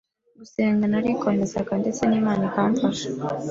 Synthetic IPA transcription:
ɡuseːŋɡanaɾikʰo̞me̞zaɡande̞t͡se̞niːmaːnikaːɱfaʃa

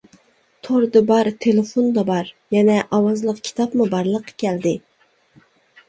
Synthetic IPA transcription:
t̪ʰoɾd̪ɨbɑɾt̪ʰelɪfond̪ɑbɑɾ | jɛnɛʔɑwɑzlˠəqkʲʰi̥t̪ʰɑpmubɑɾlˠəqʰːɑ̥kʲʰɛld̪ɪ

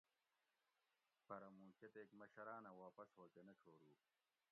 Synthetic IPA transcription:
pɐɾɐmũːket̪eːkmɐɕɐɾaːnɐwaːpɐshoːkenɐʈ͡ʂʰoːɾuː

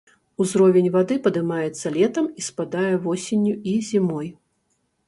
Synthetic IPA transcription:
uzɾɔvʲenʲvad̪ɨpɐd̪ɨmajɛt̪sːɐlʲɛt̪ɐmispad̪ajɛvɔsʲenʲːuizʲimɔj

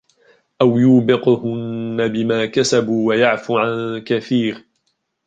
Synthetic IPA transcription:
ʔawjuːbɪqhʊnːabɪmaːkasabuːwajaʕfuːʕankaθiːɾ

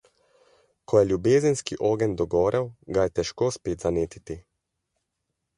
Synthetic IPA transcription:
kʰɔjɛlʲjubeːzənskiʔoːɡɛnd̪ɔɡɔːɾʔɛwɡajɛt̪ɛʃkoːspeːt̪zaneːt̪it̪i

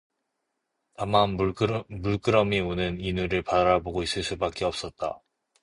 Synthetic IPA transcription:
tamanmuɭk͈ɯɾʌmionɯninuɾɯɭpaɾaboɡois͈ɯɭs͈ubak͈eʌp̚s͈ʌt̚t͈a̰

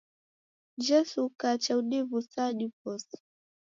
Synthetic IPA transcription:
d͡ʒɛsukat͡ʃauɗivusaɗipɔs

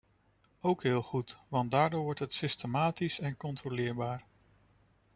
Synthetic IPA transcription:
owkɦɪːlˠχutʋɑndaːɹdʊːɹʋɔɹtɦətsɪstəmaːtisɛnkɔntrolɪːɹbaːɹ

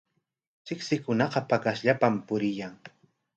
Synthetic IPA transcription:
t͡ʃɪksɪkʊnɑqɑpakasʎapampʊɾɪjaŋ

